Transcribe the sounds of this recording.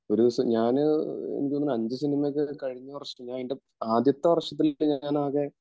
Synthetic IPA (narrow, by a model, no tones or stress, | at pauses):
o̞ɾusɲaːnɨḛnikʲːloːɐnɐɲd͡ʑɨsinimɐjk̬ʲːɨkɐɻiɲːɨʋɐrʂɐɐmɲaːninde | aːd̪jɐt̪ːɐʋɐrʂɐt̪̬ːilːɨɲaaːnaːɣe